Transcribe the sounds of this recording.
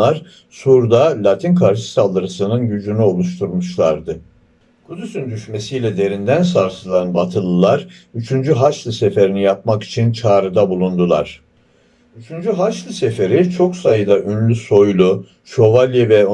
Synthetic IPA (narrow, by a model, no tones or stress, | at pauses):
aɾ | suɾd̪alʲat̪ʰinkʰaɾʃɯ̥salˠd̪ɯɾɯsɯnɯnɟyd͡ʒynyo̞lˠuʃt̪ʰuɾmuʃlˠaɾd̪ɯ | kʰud̪ysynd̪yʃme̞sijlʲɛd̪e̞ɾind̪ænsaɾsɯlˠanbat̪ʰɯlˠɯlˠaɾyt͡ʃʰynd͡ʒyɦaʃlˠɯse̞fe̞ɾinijap̚maki̥t͡ʃʰint͡ʃʰaːɾɯd̪abulˠund̪ulˠa̰ɾ̥ | yt͡ʃʰynd͡ʒyɦaʃlˠɯse̞fe̞ɾit͡ʃʰo̞ksajɯd̪aʔynlʲyso̞jlˠu | ʃo̞valʲjevɛ